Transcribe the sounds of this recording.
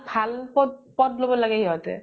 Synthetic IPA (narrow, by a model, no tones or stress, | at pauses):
bʱalpɔpɔtlobɔlaɡɛɦiɔtɛ̰